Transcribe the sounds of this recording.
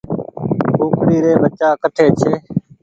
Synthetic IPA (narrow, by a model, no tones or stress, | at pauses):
uːkɽiːɾeːbət͡ʃaːkəʈʰeːt͡ʃʰeː